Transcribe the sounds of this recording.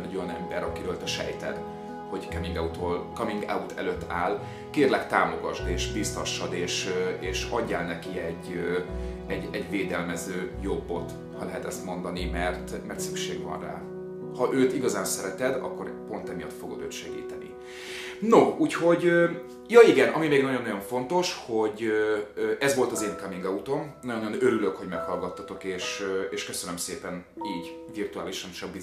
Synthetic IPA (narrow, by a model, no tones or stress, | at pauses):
nɛɟo̞jɒnɛmbɛɾɒkiɾøːlt̪ɛʃɛ̰jt̪ɛ̰d̪ | ho̞ɟkɒmiŋɡaut̪olkɒmiŋɡa̰ut̪ʰɛ̰løt̪ːaːl | keːrlɛkt̪aːmo̞ɡɒʒd̪eːʃbist̪ɒʃːɒd̪eːʃeːʃɒɟːaːlnɛkiɛɟː | ɛɟɛɟveːd̪ɛlmɛzøːjobːo̞t̪ | hɒlɛɦɛt̪ɛst̪mo̞nd̪ɒnimɛrt̪mɛrt̪sykʃḛːɡvɒ̰nra̰ː | hɒʔøːt̪iɡɒzaːnsɛɾɛt̪ɛd̪ɒ̰kːo̞ɾpo̞nt̪ɛmijɒt̪fo̞ɡo̞̰d̪ø̰ːt̪ʃɛɡḭːt̪ɛnḭ | nouːcho̞ɟø | jɒiɡɛnʔɒmimeːɡnɒɟo̞nːɒjo̞ɱfo̞nt̪o̞ʃho̞ɟøøʔɛzvo̞lt̪ɒzeːnkɒmiŋɡɒut̪o̞mnɒjonːjonøɾyløkho̞ɟmɛkhɒlɡɒt̪ːɒt̪o̞keːʃeːʃkøsønømseːpɛniːɟ | virt̪uaːliʃɛmʃɒmbi